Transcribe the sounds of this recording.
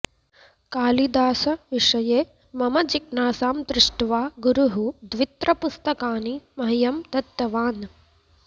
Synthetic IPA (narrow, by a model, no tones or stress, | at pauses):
kaːlid̪aːsɐʋiʂɐjeː | mɐmɐd͡ʒiknaːsaːmd̪ɾɪʂʈʋaːɡuɾuɦud̪ʋit̪ɾɐpust̪ɐkaːnimɐɦijɐmd̪ɐt̪ːɐʋaːn